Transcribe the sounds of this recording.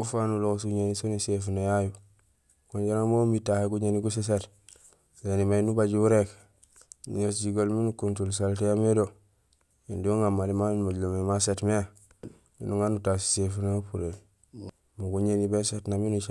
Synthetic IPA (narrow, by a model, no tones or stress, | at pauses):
ufanuloks̬uɲenisonisefunojaju | konɟaɾamomitaheɡuɲeniɡus̬es̬et | senimajnubaɟuuɾek | nuɲosɟiɡolminukuntuls̬altejamedo | jindoŋamːalimamaɟlomemasetmea | mḭnuŋanutasi̥sefunoupuɾe | muɡuɲenibesetnaminut͡ʃa